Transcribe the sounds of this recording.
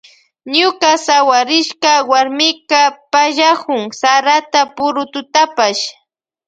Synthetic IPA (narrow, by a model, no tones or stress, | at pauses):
ɲʊkasawaɾɪʃkawaɾmɪkapaʒakʊŋsaɾat̪apʊɾʊt̪ʊt̪apaʃ